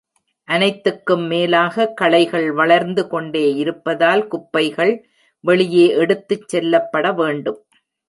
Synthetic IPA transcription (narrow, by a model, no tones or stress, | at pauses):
ʔɐnɐɪt̪ːɯkːɯmːeːlaːɣɐkːɐɭɐɪɣɐɭʋɐɭɐɾnd̪ɯkɔɳɖeːɪɾɯpːɐðaːlkʊpːɐɪɣɐɭ | ʋɛɭɪjeːʔɛɽɯt̪ːɯt͡ʃsɛlːɐpːɐɽɐʋeːɳɖɯm